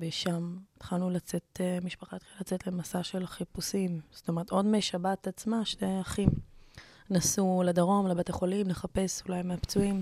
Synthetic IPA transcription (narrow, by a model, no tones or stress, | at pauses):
beʃametχalnulat͡se̞tmiʃpaχaet̪χaalat͡setle̞masaʃe̞lχipusimz̥otome̞ʁeto̞dmeʃabatat͡smaʃnejaχim | nasuledaʁo̞mlebet̪aχolimleχape̞sulajmeapt͡suim